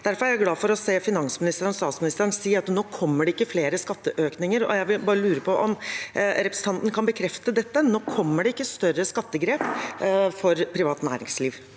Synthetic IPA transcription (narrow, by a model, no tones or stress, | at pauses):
d̪̥æɾfɔɾæɾjæɡlɑːfɔɾɔseːfɪnɑnsmɪnɪst̪əɾənst̪ɑːt̪smɪnɪst̪əɾnsiːəɾɑt̪noːkʰɔmːəɖɛɪkːəfleːɾəskɑt̪ːəʔøːknɪŋəɾɔ̰jæɪʋɪlbɑːɾəlʉːɾəpʰɔʔɔmɾɛpɾəsən̩t̪ɑnt̪n̩kʰɑnbəkʰɾɛft̪əd̪ɛt̪ːənoːkʰɔmːəɖɛɪkːəst̪œɾəskɑt̪ːəɡɾeːpfɔɾpʰɾɪʋɑːt̪næ̰ːɾɪŋsliːʋ